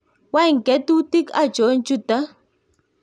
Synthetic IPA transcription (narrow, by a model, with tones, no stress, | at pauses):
wa˦jŋ˨kɛ˨˦t̪u˦ti˦ka˦˨d͡ʒo˨˦n˦t͡ʃu˦˨ta˦